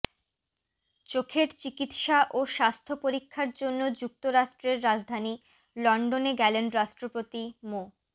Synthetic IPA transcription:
t͡ɕokʰeɾt͡ɕikit̪ʃaʔoʃast̪ʰopoɾikʰːaɾd͡ʑonːod͡ʑuk̚t̪oɾaʃʈɾeɾːad͡ʑd̪ʱani | lɔɳɖoneɡɛlenɾaʃʈɾopot̪imo

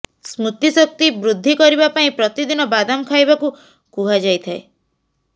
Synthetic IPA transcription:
smut̪isɔk̚t̪ibɾud̪ʱːikɔɾibapaĩpɾɔt̪id̪inɔbad̪amɔkʰajbaku | kuɦad͡ʒajt̪ʰae

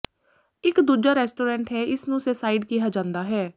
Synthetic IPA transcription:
ɪkd̪uːd͡ʒaːɾɛːsʈoːɾɛ̃ːɳʈɦɛːɪsnũʊsesaːiɖkijad͡ʒãːnd̪aːɦɛː

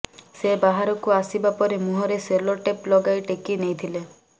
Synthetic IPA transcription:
sebaɦaɾɔkuasibapɔɾemuɦɔɾeselɔʈeplɔɡajʈekinejt̪ʰile

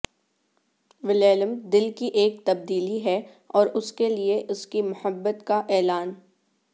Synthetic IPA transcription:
ʋɪleːləmd̪ɪlkiʔeːk̚t̪ɐb̚d̪iːliɦɛ | ɔːɾʊskelieʔʊskimʊhəbːət̪kaʔɛːlaːn

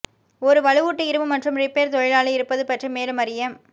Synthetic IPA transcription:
ɔɾɯʋɐɻɯʋuːʈːɯɪɾɯʋɯmɐʈrɯmrɪpːeːɾt̪ɔɻɪlaːlɐɪɾɯpːɐðɯpɐʈrimeːlɯmɐɾɪjɐm

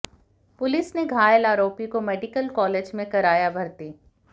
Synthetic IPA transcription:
pʊlɪsneɡʱaːjəlaːɾoːpikomeːɖɪkəlkɔːleːd͡ʒmẽkɐɾaːjabʱɐɾt̪iː

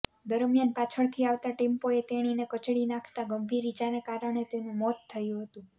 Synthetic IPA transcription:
d̪əɾmjanpat͡ʃʰəɭt̪ʰiaʋt̪aʈempoet̪eɽ̃inekət͡ʃɽinãkʰt̪aɡəmbʱiɾid͡ʒanekaɾəɽ̃et̪enũmɔt̪ʰːəjũɦət̪ũ

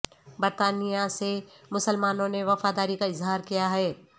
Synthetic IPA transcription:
bɐɾt̪aːnijasemʊsəlmaːnõneʋɐfaːd̪aːɾikaɪzɦaːɾkijaɦɛː

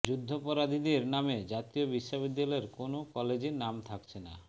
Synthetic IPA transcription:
d͡ʑud̪ʱːopɔɾad̪ʱid̪eɾnamed͡ʑat̪iobiʃːobid̪ːalɔeɾkonokɔled͡ʑeɾnamt̪ʰakt͡ɕʰena̰

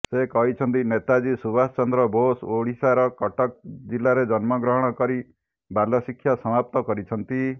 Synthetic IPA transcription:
sekɔɦit͡ʃʰɔnt̪inet̪ad͡ʒisubast͡ʃɔnd̪ɾɔbosoɽisaɾɔkɔʈɔk̚d͡ʒilːaɾed͡ʒɔnmɔɡɾɔɦɔɽ̃ɔkɔɾi | balɔsikʰːjasɔmap̚t̪ɔkɔɾit͡ʃʰɔnt̪i

